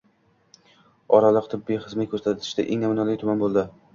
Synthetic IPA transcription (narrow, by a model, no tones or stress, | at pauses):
ɒɾalˠɨqt̪ʰɪbːijχɨzmɪkʰɵɾsat̪ʰɪ̥ʃd̪a̰ʔḛŋnamʊnɒlɪt̪ʰʊmanbolˠd̪ɪ